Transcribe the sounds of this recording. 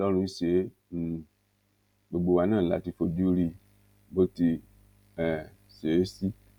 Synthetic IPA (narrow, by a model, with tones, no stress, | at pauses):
lɔ˦lũ˨˦se˨e˦˨ | bo˨ɡ͡bo˨wa˨nã˦˨la̰˨ti˨fo˨du˦ɾi˨ | bo˦ti˨ | ɛ˨ | se˨e˦si˦